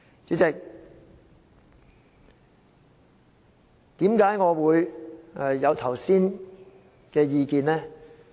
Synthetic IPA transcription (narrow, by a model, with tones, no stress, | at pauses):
t͡ʃyː˨˥t͡sɪ˨k̚ | t̪iː˨˥mkaː˨˥jŋɔː˨˧wuː˨˧jɛ˨jɐ˨˧wt̪ʰɐ˨˩wsiː˥n | kɛː˧jiː˨˧kiː˨˧nlɛː˥